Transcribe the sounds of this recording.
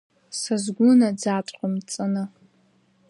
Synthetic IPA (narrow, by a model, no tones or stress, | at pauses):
sazɡʷʊnad͡zatʷʼqʷʼʊmt͡sʼɨnɨ